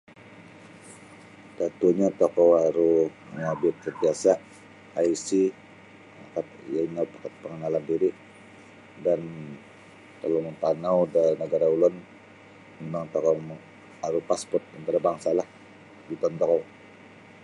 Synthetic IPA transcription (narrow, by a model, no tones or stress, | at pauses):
d̥at̪uɲat̪ɔkɔwaɾu | ŋabɪt̪̚sənt̪iasa | aisi | a̰kat̪̚jainapakat̪̚pəŋənalandiɾi | dan | t̪əlɔmət̪anawdainəɡaɾaulʊn | əmaŋt̪ɔkɔ | aɾupaspɔrt̪̚ənt̪aɾabaŋsalah | bit̪ɔnt̪ɔkɔw